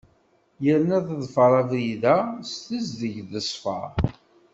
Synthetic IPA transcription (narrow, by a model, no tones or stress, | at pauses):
jəɾnæðəðˤfəɾˤɑðjiðæst̪əzðəʝðəsˤfə̰ɾ